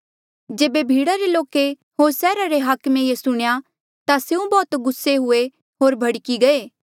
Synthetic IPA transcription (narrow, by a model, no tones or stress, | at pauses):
d͡ʒeːbebʱiːɽaɾeloːke | ɦoːɾsɛːɾaɾeɦaːkmejesʊɽ̃ja | t̪aseũbɔːt̪ɡʊsːeɦʊe | ɦoːɾbʱɐɽkiɡɐeː